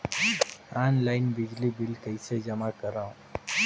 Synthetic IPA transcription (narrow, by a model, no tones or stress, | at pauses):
anlaɪnbɪd͡ʒlibilkəɪsed͡ʒəmakəɾãũ